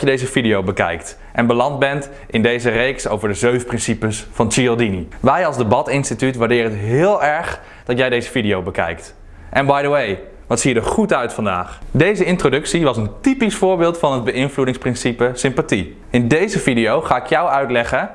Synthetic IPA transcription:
jədejzəfidijowbəkɛ̰jkt | ʔɛnbəlɑnd̚bɛnt | ʔɪndejzərejksowvəɹdəzøɥfprɪnsipəsfɑnt͡ʃiɔlˠdiniʋɛjɑlˠzdəbɑtɪnstitytʋaːɹdɪːɾəətɦɪːlˠɛɹχ | d̥ɑtjɛjdejzəvidijowbəkɛ̰jkt | ʔɛnbɑjdəwej | ʋɑtsiːədəχutœɥtfɑnda̰ːχdejzəɪntrodɵksiʋɑsəntipisfʊːɹbɪːlˠtfɑnɦəd̚bəɪnvludɪŋsprɪnsipəsɪmpati | ɪndejzəvidijowχaːɪkjʌwœɥtlɛχə

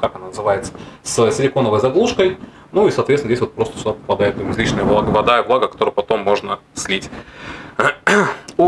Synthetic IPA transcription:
kakɐnanəzɨvajɪt̪səssʲɪlʲɪko̞nəvəjzɐɡlˠuʂkəj | nuisɐt̪vʲet̪ndʲesʲvot̪pɾo̞st̪ə̥sʲʊd̪apə̥pɐd̪ajɪt̪rɐzʲlʲit͡ɕnəjəvˠaɡəvɐd̪aəblˠaɡəkɐt̪o̞ɾəjpɐt̪o̞mːo̞ʐnəsʲlʲitʲ

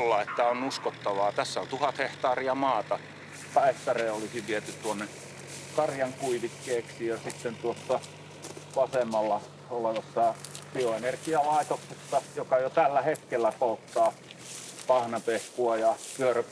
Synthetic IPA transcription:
lːɑet̪ːæonnuskot̪ːɑʋɑːt̪æsːæont̪uhɑt̪heht̪ɑːriɑmɑːt̪ɑ | tɑet̪ːɑreːolisiʋʋiet̪ytt̪uonːe | kɑrjɑŋkuiʋikːeːksijɑsit̪ːent̪uosːɑ | ʋɑsemːɑlːɑ | oleʋɑsːɑpioenerɡiɑlɑit̪oksesːɑjokɑjot̪ælːæhet̪kelːæpolt̪ːɑː | pɑhnɑpehkuɑjɑpyør

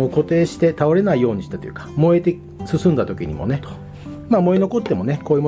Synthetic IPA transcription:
oko̞t̪e̞ːɕi̥t̪e̞t̪aoɾe̞naijo̞ːɲ̟iɕi̥t̪at̪o̞jɯ̟̰kḁmo̞et̪e̞ | sɨsɨ̃nd̪at̪o̞kʲḭɲ̟ḭmo̰ne̞ | mamo̞eno̞ko̞t̪ːe̞mo̞ne̞ko̞ːiɯm

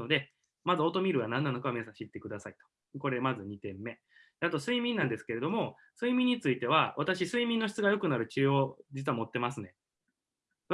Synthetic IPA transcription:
od̪e̞ | mazɨo̞t̪o̞mʲiɾɯ̟ɡanãnːano̞kaomes̬ãɕit̪ːe̞kɯ̟d̪asait̪o̥ | ko̞ɾe̞mazɨɲ̟it̪ẽ̞mːe̞ | d̪̥eat̪o̞sɨimʲĩnːãnd̪e̞sɨ̥ke̞ɾed̪o̞mo̞ | sɨimʲĩɲ̟ːit͡sɨit̪e̞β̞aβat̪aɕisɨimʲĩnːo̞çi̥t͡sɨɡajo̞kɯ̟naɾɯ̟t͡ɕɨːod͡ʑit͡sɨβamo̞t̪ːe̞masɨne̞

